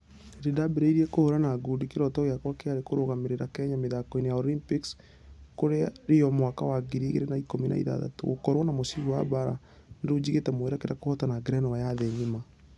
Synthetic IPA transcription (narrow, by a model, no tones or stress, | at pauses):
eɾedabeɾeiɾiɛkohoɾanaːɡudikeɾɔtɔɣeakwakeaɾekoɾoɣameɾeɾakɛɲameðakɔinejaɔlimpiks | koɾeaɾiɔmwakawaɡiɾiɣḛɾenaikomina̰ḭða̰ða̰to̰ɣokɔɾwɔnamosivuwa̰baɾa̰ | neɾud͡ʑiɣetɛmoeɾakeɾakohɔtanaɡɾɛnɔwajaðeɲima